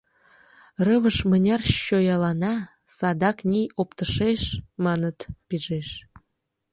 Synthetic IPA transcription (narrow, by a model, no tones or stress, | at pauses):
rəβəʃmə̆nʲɑrɕojɑlɑnɑ | sɑd̪ɑknʲijopt̪ə̆ʃeʃmɑnət̪piʒeʃ